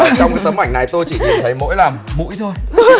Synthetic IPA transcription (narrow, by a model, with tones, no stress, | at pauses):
t͡ɕɔ˧wŋ͡mko˨˩t̪ə˨˦mʔa˧˩jŋ̟na˨˩jt̪o˧jt͡ɕi˧˩ɲi˨˩nt̪ʰə˨˦jmo̰˧˥jlaː˨˩mmṵ˧˥jt̪ʰo˧j